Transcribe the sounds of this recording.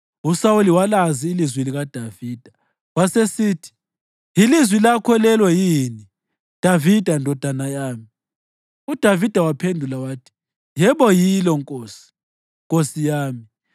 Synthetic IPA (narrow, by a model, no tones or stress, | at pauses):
usawuliwalaziːlizwiliɣad̥ʱaviːd̥ʱa | wasesiːtʰi̥ | jilizwilakʰɔlɛlwɛjini | d̥ʱavid̥ʱandʱɔd̥ʱanajaːmi | ud̥ʱavid̥ʱawapʰendʱulawaːtʰi̥ | jɛβɔjilɔŋkʼoːsi̥ | ŋkʼosijaːmi